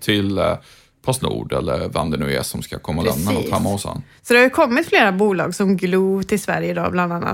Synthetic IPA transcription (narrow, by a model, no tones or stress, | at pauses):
t̪ʰɪl | pʰɔsnṵːɖɛlːəɾvɛmd̪ɛnɵɛ̰ːsɔmskakʰɔmːalɛ̰mnaɔt̪hɛmːahʊsɛ̰nsɔd̪ɛhajʉkʰɔmːɪt̪fleːɾabuːlɑ̰ːɡsɔmɡluːvt̪ʰɪlsvæ̰ɾjəd̪ɔbland̪anːa̰t̪